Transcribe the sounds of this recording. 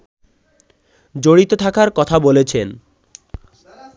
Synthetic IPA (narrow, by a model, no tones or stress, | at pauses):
d͡ʑoɽit̪ot̪ʰakaɾkɔt̪ʰabolet͡ɕʰen